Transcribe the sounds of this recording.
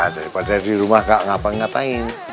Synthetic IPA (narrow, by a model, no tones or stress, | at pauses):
d͡ʒaɾipadadiɾumahkaʔŋapaŋat̪aɪn